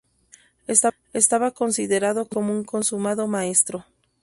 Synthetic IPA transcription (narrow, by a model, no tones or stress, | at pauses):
est̪a | est̪aβako̞nsiðe̞ɾaðokomouŋko̞nsumaðo̞maest̪ɾo̞